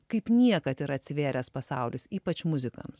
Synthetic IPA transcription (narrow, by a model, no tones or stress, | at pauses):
kɐɪpnʲiɛkɐt̪ɪɾɐt̪ʲsʲɪʋʲeːɾʲɛspɐsɐʊlʲʊsiːpɐt͡ʃmʊzʲɪkɐ̰ms